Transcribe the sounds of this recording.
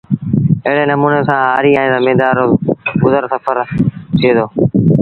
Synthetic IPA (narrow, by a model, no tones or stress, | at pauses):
əɦɪɽeːnəmuːneːsãːɦaːɾiːaːɦẽːd̪aːmẽːd̪aːɾokʊzəɾsəfʰəɾt̪ʰiːd̪oː